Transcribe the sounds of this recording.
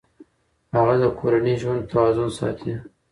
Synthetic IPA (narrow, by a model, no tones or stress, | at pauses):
haɣad̪əkʰoɾaniʒwand̪̚t̪ʰawɑzʊnsɑ̰t̪ʰi